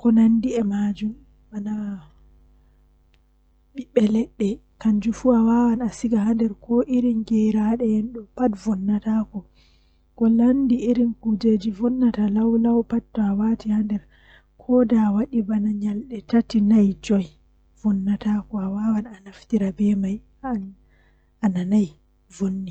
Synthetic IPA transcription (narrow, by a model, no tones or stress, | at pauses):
kɔnandiɛmad͡ʒum | bana | ɓiɓɛlɛɗːɛ | kaɲd͡ʒufuawawanasiɡahandɛɾkɔʔiɾinɡɛɾaɗɛjɛnɗɔpatvɔnːatakɔ | kɔlandiiɾinkud͡ʒed͡ʒivɔnːatalawlawpattːɔawatihandɛɾ | kʰɔdawaɗibanaɲalɗɛtatinajd͡ʒɔj | vɔnːatakɔawawananaftiɾabɛmaj | a | ananaj | vunːi